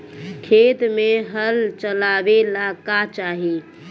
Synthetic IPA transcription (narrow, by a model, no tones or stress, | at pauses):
kʰet̪meɦəlt͡ʃəlaʋelakat͡ʃaːɦi